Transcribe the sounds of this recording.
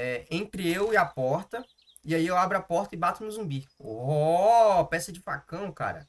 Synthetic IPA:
ɛẽnt̪ɾɪewɪapɔɾt̪ɐ | iaiewabɾʊapɔɾt̪ɐɪbat̪ʊnʊzũmbioɦopɛsɐd͡ʒɪfakɐ̃w̃ka̰ɾɐ̰

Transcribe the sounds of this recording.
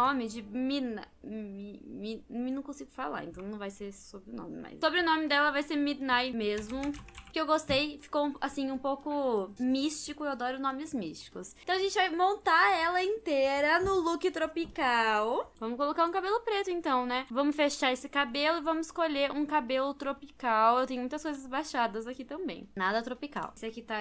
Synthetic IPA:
õmɪd͡ʒɪminɐ | imĩmĩnɐ̃kõsiɡʊfala̰ɾḛ̃t̪ɐ̃w̃nɐ̃w̃vajseɾsobɾɪʊnõ̰mɪ̰ma̰jssobɾɪʊnõmɪd̪ɛlɐvajseɾmid̪najmezmʊpʊkɪewɡost̪ejfi̥kowũasĩũpowkʊmist͡ʃikʊewad̪ɔɾʊnõmɪzmiʃt͡ʃi̥kʊst̪w̃aʒẽnt͡ʃɪvajmõnt̪aɛlɐĩnt̪eɾɐnʊlukɪt̪ɾopikawvɐ̃mʊskolokaɾũkabelʊpɾet̪ʊẽnt̪ɐ̃w̃nɛvɐ̃mʊsfeʃaɾesɪkabelʊɪvɐ̃mʊzɪskoʎeɾũkabelʊt̪ɾopikawewt̪ẽjʊmũt̪ɐskojzɐzbaʃad̪ɐzakit̪ɐ̃mbḛ̃j̃nad̪ɐt̪ɾopika̰wsɪakit̪a

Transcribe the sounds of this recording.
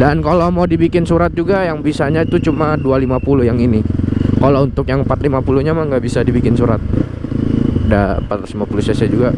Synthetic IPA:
dankalomadibikɪnsuɾat̪̚d͡ʒuɡajaŋbisaɲat̪ut͡ʃumadualimapulʊhjaŋinikalount̪ʊkjaŋəmpat̪̚limapuluhɲamaŋɡaʔbisadibikɪnsuɾa̰t̪̚ | da̰pat̪simapulusasad͡ʒuɡa

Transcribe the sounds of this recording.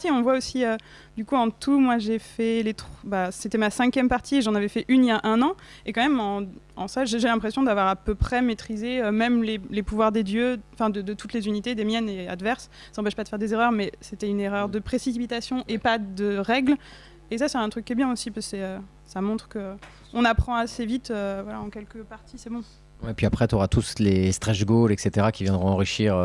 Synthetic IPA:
t̪iɔ̃vwaosiø | d̪ykuɑ̃t̪umwaʒefɛlet̪χbaset̪ɛmasɛ̃kʲjɛmpaʁt̪ʰieʒɑ̃navɛfɛʔyniljaʔɛ̃nɑ̃ | ekɑ̃mɛmɑ̃ɑ̰̃saʒeʒelɛ̃pχesjɔ̃d̪avwaʁapøpχɛmet̪χizeømɛmlelepuvwaʁd̪ed̪jøɑ̃fɛ̃d̪əd̪ət̪ut̪lezynit̪ed̪emjɛnea̰d̪vɛʁsː | ɑ̃pɛʃpad̪əfɛʁd̪ezeʁœʁmɛset̪ɛyneʁœʁd̪əpχesipit̪asjɔ̃ʔepad̪əʁɛɡl | esasɛɛ̃t̪χykʲːɛbjɛ̃osipḁsɛø | samɔ̃t̪χkə | ɔ̃napχɑ̃asevit̪øvwala̰ɑ̃kʲɛlkəpaʁt̪isɛbɔ̃ | wɛpɥiapχɛt̪yoʁat̪uslest̪χɛʒɡolɛkset̪eʁakʲivjɛ̃d̪ʁɔ̃ɑ̃ʁiʃiːʁ

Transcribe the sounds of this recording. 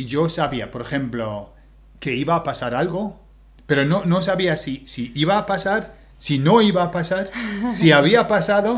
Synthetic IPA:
iʝo̞saβiapo̞ɾexe̞mplo | ke̞iβaːpasaɾalɣo̞ | pe̞ɾo̞no̞no̞s̬aβiasisiiβaːpasaɾ | sino̞iβaːpasaɾsiaβiapasaðo

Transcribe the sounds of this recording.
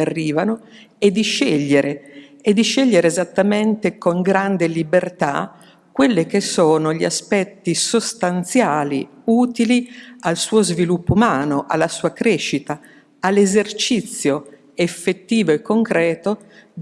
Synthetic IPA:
arːiːvano | ed̪ːiʃeʎːeɾʔe | ed̪ːiʃeʎːeɾeːzat̪ːament̪ekoŋɡɾand̪elibert̪a̰ | kwelːek̟esːoːnoʎiaspɛt̪ːisost̪ant̪sjaːlḭ | uːt̪ilialsuːozvilupːoumaːnoʔalːasuːakɾeʃːit̪aː | lːezert͡ʃit̪sːjo | efːet̪ːiːvoekːoŋkɾɛːt̪o

